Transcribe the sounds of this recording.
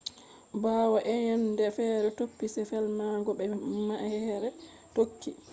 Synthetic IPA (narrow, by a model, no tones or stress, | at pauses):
baːwaʔɛɲɛndɛfɛːɾɛtopːisɛfɛlmaɡɔɓɛmaʔhhɛɾɛ | tokʰːi